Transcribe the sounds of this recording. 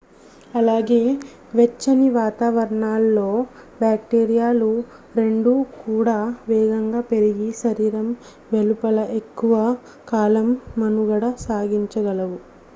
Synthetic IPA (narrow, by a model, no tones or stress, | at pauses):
ɐlaːɡe̞ː | ʋet͡ʃːɐniʋaːt̪aːʋɐɾɐɳaːlːo̞ː | bjaːk̚ʈeːɾijaːlu | ɾe̞ɳɖukuːɽaːʋɛːɡɐŋɡaːpe̞ɾiɡiʃɐɾiːɾɐm | ʋe̞lupɐlɐʔe̞kːuʋɐ | kaːlɐmːɐnuɡɐɽɐsaːɡiɲt͡ʃɐɡɐlɐʋu